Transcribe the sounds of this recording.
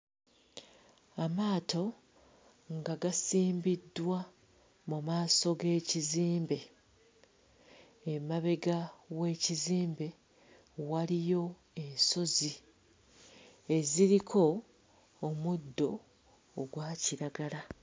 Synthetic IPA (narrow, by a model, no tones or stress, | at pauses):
amaːtʰo̞ | ŋɡaɡasiːmbidːwa | mumaːso̞ɡe̞ːciziːmbe̞ | maβe̞ɡawe̞ːciziːmbe̞ | walijo̞ | e̞nso̞zi | e̞ziɾikʰo̞ː | mudːo̞ː | ɡwaːciɾaɡala